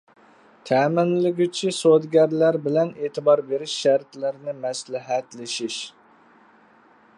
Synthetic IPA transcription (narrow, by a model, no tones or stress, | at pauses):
t̪ʰɛːmɪnlɪɡʲyt͡ʃʰisod̪ɡʲɛɾlæɾbɪlɛneːt̪ʰɪbɑɾbeɾɪʃːæɾt̪lɪɾnɪmɛslɪɦɛt̪lɪʃiʃ